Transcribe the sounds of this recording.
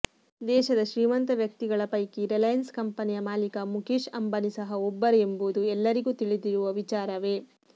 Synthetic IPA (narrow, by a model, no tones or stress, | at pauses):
d̪ɛːʃɐd̪ɐʃɾiːmɐnt̪ɐʋjɐk̚t̪iɡɐɭɐpɐjkiɾɛlɐjɐnskɐmpɐnijɐmaːlikɐmukiːʃɐmbɐnisɐɦɐɔbːɐɾeembud̪uɛlːɐɾiɡuːt̪iɭid̪iɾuʋɐʋit͡ʃaːɾɐʋe̞ː